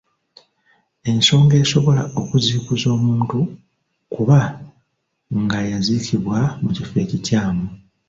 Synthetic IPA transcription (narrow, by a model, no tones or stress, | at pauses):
e̞nso̞ːŋɡe̞ːso̞βo̞lao̞kuziːkuzo̞ːmuːntu | kuβa | ŋɡajazicʰiβwamucife̞cicaːmu